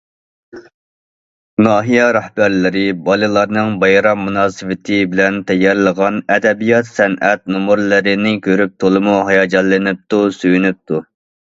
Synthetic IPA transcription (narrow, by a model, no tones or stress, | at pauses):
nɑːɦijɛɾæhbæɾlɪɾɪbɑlˠɨlˠɑɾnɨŋbɑjɾɑmːunɑːsɨwɪt̪ʰɪbɪlɛnt̪ʰɛjːɑɾlˠəʁɑnɛd̪ɛbijɑt̪sɛnʔɛt̪̚nomuɾlˠɨɾɪnɪkʲʰøɾyp̚t̪ʰolˠɨmuɦɑjɑːd͡ʒɑlːɨnɪp̚t̪usyjynyp̚t̪ʰu